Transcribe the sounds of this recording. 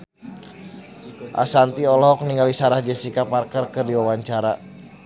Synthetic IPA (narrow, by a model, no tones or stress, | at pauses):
ʔa̰sant̪iɔlɔɦɔk̚niŋɡalisaɾahd͡ʒasikaparkərkɨrdiwawaɲt͡ʃaɾa